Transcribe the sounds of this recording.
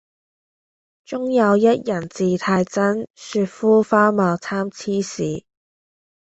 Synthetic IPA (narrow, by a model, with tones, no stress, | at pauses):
t͡sʊ˥ŋjɐ˨˧wjɐ˥t̚jɐ˨˩nt͡siː˨t̪ʰaː˧jt͡sɐ˥nsyː˧t̚fuː˥faː˥mɔː˨˩wt͡sʰaː˥mt͡sʰiː˥siː˨